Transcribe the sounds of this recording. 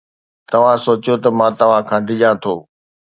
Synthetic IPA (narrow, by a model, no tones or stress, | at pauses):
t̪ɐʋ̤ãsoːt͡ɕjot̪ɐmãːt̪ɐʋ̤ãkʰãːɖʱɪʄãt̪ʰoː